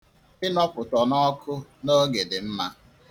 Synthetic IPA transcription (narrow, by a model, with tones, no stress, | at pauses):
ɪ˦nɔ˦pʊ˨tɔ˨nɔ˦kʰʊ˦no˦ɡe˨dɪ˨m̩˦ma˦